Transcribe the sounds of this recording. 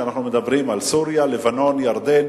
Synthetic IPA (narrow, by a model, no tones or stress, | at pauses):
anaχnumed̪abʁimalsuʁjalevano̞njaʁd̪en